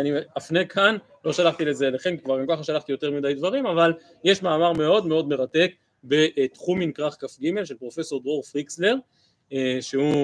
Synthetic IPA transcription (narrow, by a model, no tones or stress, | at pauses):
aniafnekʰan | lo̞ʃalaχt̪ilezeleχenkvaʁɡamkaχaʃalaχt̪ijo̞t̪e̞ʁmid̪ajd̪vaʁimaval | jeʃmaːmaʁme̞o̞d̪meo̞d̪me̞ʁat̪e̞k̚ | be̞ʔt̪χuminkʁaχkafɡime̞lʃelpʁo̞fe̞so̞ʁd̪ʁoʁfʁiksle̞ʁ | ʃeu